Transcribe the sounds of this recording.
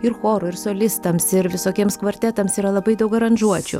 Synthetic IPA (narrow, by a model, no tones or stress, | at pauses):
ɪɾxoːɾʊɪɾsoːlʲɪst̪ɐmsɪɾʋʲɪsoːkʲiɛmskʋɐɾʲt̪ʲæt̪ɐmsiːɾɐlˠɐbɐɪd̪ɐʊkɐɾɐnʒuɔt͡ʃʲʊ̰